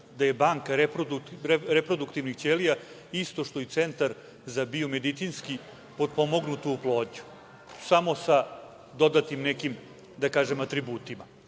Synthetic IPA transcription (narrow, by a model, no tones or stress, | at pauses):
d̪aje̞baːŋkaɾepɾoueɾepɾo̞d̪ukt̪iʋnixtt͡ʃ̪eːlija | ist̪o̞ʃt̪o̞jit̪sent̪aɾ | zabio̞med̪it̪sinski | po̞d̪̚po̞mo̞ɡnut̪uuplˠo̞ːd̪ɲu̥ | samo̞sa | d̪o̞d̪at̪imnɛkim | d̪akaːʒemat̪ɾibuːt̪ima